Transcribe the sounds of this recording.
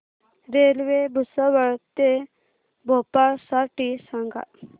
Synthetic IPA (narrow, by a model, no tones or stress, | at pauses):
ɾelʋebʱusəʋəɭt̪e | bʱopaɭsaʈisãŋɡa̰